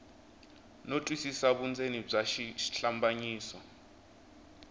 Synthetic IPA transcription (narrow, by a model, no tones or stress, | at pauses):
notʼwisisaɓund͡zʱenib͡ʐaʃiʃɬambaɲiːsɔ